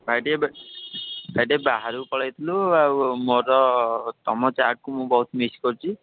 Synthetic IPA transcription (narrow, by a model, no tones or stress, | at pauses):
bʱajʈeb | bʱajʈebaɦaɾupɔɭajt̪ʰiluamoɾɔt̪ɔmɔt͡ʃaɾʈ̚kumũbɔɦut̪ʰimiskɔɾut͡ʃʰi